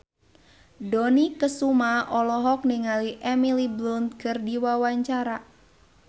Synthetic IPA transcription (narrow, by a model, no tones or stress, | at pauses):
dɔnikəsumaʔɔlɔɦɔk̚niŋaliʔɛmiliblund̪̚kɨrdiwawaɲt͡ʃaɾa